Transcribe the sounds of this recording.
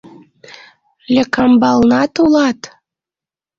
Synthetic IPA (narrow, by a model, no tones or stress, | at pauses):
lʲekɑmbɑlnɑt̪ulɑt̪